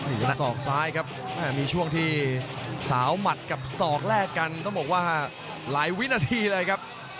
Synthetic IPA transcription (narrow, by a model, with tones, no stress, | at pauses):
nɯː˩˧na˨˧˩sɔː˨˩k̚saː˦˥jkʰa˦˥p̚ | ʔɛː˥˩miː˧t͡ɕʰu˥˩əŋt̪ʰiː˥˩ | saː˩˦wma˨˩t̪̚ka˨˩p̚sɔː˨˩k̚ɾɛː˥˩kːa˧nt̪ɔ˥˩ŋbɔː˨˩k̚waː˥˩ | laː˩˦jwi˦˥naː˧t̪ʰiː˧lɤː˧jkʰa˦˥p̚